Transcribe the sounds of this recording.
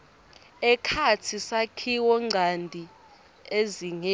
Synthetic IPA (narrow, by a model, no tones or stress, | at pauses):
ɛkʰatʰisakʰiwɔŋ͡ǀʱandʱi | eziŋe